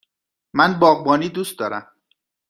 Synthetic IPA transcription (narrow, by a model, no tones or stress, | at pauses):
mænbɒːɣbɒːniːd̪ust̪̚d̪ɒːɾæ̰m